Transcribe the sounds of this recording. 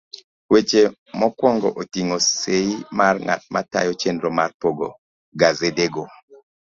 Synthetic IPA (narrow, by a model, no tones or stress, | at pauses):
wet͡ʃe | mɔkwɔŋɡɔ̰ʔotiŋoseimarŋa̰t̚ma̰ta̰jɔt͡ʃendɾɔmarpoɡo̰ | ɡazedeɡo